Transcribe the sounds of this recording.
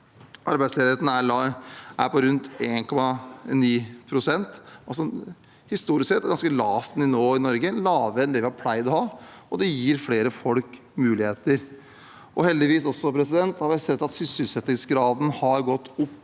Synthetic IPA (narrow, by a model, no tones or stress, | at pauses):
ʔɑɾbæɪsleːd̪ɾeːt̪nəæɑʔæ̰ɾpɔɾʉnt̪eːnkʰɔmɑniːpʰɾʊsɛnt̪ɑlsɔ | hɪst̪uːɾɪsksɛt̪ːɡɑnskəlɑːft̪nɪnoːɪnɔɾɡəlɑːʋəɛnd̪ɛːʋɪhɑɾpʰlæɪd̪ɔhɑːɔd̪ɛjiːɾfleːɾəfɔlk | mʉːlɪheːt̪əɾ | ʔɔhɛld̪ɪʋiːsɔsːɔpʰɾɛsɪd̪ɛnt̪hɑɾʋɪsɛt̪ːɑt̪sʏsʏlsɛt̪ːɪŋsɡɾɑːd̪n̩hɑɾɡɔt̪ːʊpː